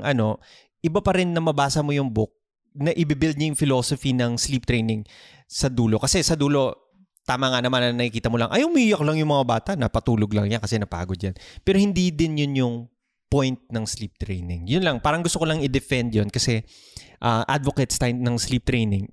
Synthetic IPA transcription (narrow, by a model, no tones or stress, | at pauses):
ŋʔɐno̞ | ʔɪbapɐɾɪnːɐmɐbaːsɐmojʊŋbʊk̚ | nɐʔɪbɪbɪld̪̚ɲɐjʊŋfɪloːsofinɐŋsliːp̚t̪ɾɛjnɪŋ | sɐd̪uːlo̞kɐsɛsɐd̪uːlo̞ | t̪aːmɐŋanɐmanɐnɐkɪkiːt̪ɐmolɐŋʔɐjʊmijɐklɐŋjʊŋmɐŋabaːt̪ɐnɐpɐt̪uːloɡlɐŋɲjakɐsɛnɐpa̰ːɡod̪̚janpɛːɾohɪnd̪iːd̪ɪnjʊnjʊŋ | pojnt̪̚nɐŋslip̚t̪ɾɛjnɪŋjʊnlɐŋpaːɾɐŋɡʊst̪okolɐŋɪd̪ɛfɛnd̪jonkɐsɛ | ʔɐʔa̰d̪vokɛt̪st̪ajnɐŋsliːp̚t̪ɾɛjnɪŋ